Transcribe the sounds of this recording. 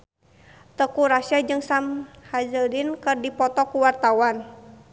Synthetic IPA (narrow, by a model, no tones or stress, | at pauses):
t̪əkuɾasad͡ʒɨŋsamhazədinkɨrdipɔt̪ɔkuwart̪awan